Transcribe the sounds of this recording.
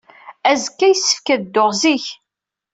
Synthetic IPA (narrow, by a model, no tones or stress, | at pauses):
æzkːæjsːə̥fkæðd̪ːoʁziç